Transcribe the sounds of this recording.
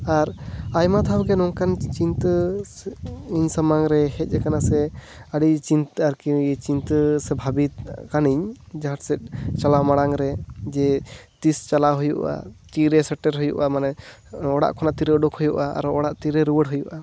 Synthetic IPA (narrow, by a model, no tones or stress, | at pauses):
aɾajmat̪ʰawɡɛnɔŋkant͡ʃint̪ə | iɲsamaŋɾɛhɛc̪̚ˀd͡ʒɛkanasɛ | aɽit͡ʃint̪aɾkijɛt͡ʃint̪əsɛbʱabit̪kaniɲd͡ʒaɦaʈsɛt̪̚t͡ʃalamaɽaŋɾɛd͡ʒɛt̪ist͡ʃalaɦujṵʔa̰t͡ʃiɾɛsəʈːɛɾɦujṵʔamanɛ | ɔɽa̰ʔkʰɔnaʔt̪iɾɛɔɖɔkhujuʔaa̰ɾɔɔɽaʔt̪iɾɛɾuwəɽɦujuʔa